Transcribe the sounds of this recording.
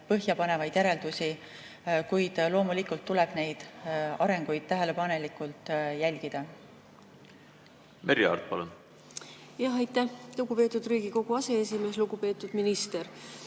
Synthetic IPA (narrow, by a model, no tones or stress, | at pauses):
pɤɦjɑpɑne̞vɑjd̪̥jæɾe̞ld̪usi | kujd̪̥lo̞ːmulikult̪ːulɛb̥ne̞jd̪̥ɑɾeŋɡ̥ujd̪̥̚t̪æɦe̞le̞pɑne̞likːˑult̪ˑjælʲɡ̥id̪̥ɑ | meɾjiɑ̰rt̪̚pɑlun | jɑɦɑjt̪ːˑæhluɡ̥upe̞ːt̪ːˑud̪̥riːɡiko̞ɡ̥uɑse̞esime̞sluɡ̥upe̞ːt̪ːˑud̪̥minist̪e̞ɾ